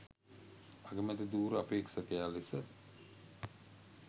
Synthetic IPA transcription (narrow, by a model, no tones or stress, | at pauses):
aɡəmət̪id̪uːɾəapeːksɐkejaːlisə